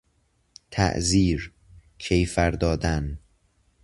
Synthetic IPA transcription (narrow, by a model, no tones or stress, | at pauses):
t̪ʰæ̰ʔziːɾ | cʰejfæɾd̪ɒːd̪æn